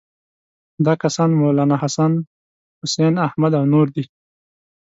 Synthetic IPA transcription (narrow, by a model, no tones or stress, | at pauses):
d̪ɑːkasɑnmolɑːnahasan | hʊsenahmad̪awnuɾd̪i